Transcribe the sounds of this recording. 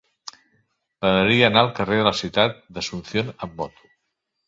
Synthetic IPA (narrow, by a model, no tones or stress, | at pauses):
pəðəɾiəːnaəlˠkəreðələsiwt̪at̪̚d̪əsunθjonəmːɔt̪u̥